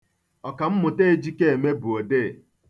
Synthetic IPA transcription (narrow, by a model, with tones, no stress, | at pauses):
ɔ˨ka˨m̩˦mʊ˨te˦e˦˨d͡ʒi˦ke˦e˨me˦bʊ˨o˨deː˦˨